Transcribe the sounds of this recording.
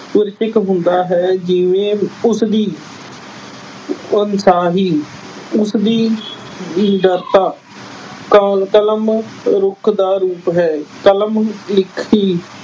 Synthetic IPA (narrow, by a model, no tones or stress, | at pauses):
əɾt͡ʃɪkɦʊ̃nd̪aːɦɛːd͡ʒɪʋẽːʊsd̪iː | ənsaːɦiː | ʊsd̪iː | ɖəɾt̪aː | kkələmɾʊkʰd̪aːɾuːpɦɛːkələmlɪkʰiː